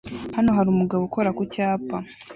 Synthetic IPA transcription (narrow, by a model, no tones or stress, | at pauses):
hanoɦaɾumuɡaβuko̞ɾakucaːpa